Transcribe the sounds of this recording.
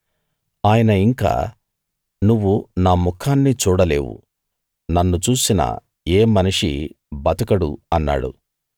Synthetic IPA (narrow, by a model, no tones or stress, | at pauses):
aːjɐnɐiŋka̰ː | nuʋːunaːmukʰaːnːit͡ʃuːɽɐle̞̰ːʋṵ | nɐnːut͡ʃuːsinɐ̰ | eːmɐniʂḭ | bɐt̪ɐkɐɽṵɐnːa̰ːɽṵ